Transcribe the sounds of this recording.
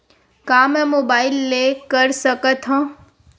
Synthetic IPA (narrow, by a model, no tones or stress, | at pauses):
kaːmɛ̃moːbaːɪlːeːkəɾsəkət̪ɦõː